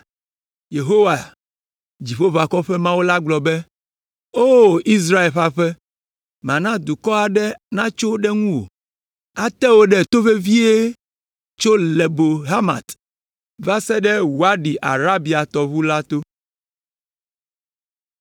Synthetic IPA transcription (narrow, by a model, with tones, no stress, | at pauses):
je˨ɦo˦wa˨ | d͡ʑi˨ɸo˦va˨kɔ˦ɸɛ˦mã˦wo˦la˦ɡ͡blɔ˨bɛ˦ | o˦˨i˦s̬ɾa˦e˨lɸa˦ɸɛ˦ | mã˨nã˦d̪u˨kɔ˦a˨ɖɛ˦nã˦t͡ʃo˦ɖɛ˦ŋũ˦wo̰˨ | a˦t̪ɛ˦wo˦ɖɛ˨t̪o˦ɸe˦vi˦e˦ | t͡ʃo˦le˨bo˨ɦa˦ma̰˨t̪ | va˦sɛ˦ɖɛ˦wo˨a˦ɖi˨ʔa̰˨ɾa˦bi˨a˨t̪ɔ˨βu˦la˦t̪o˦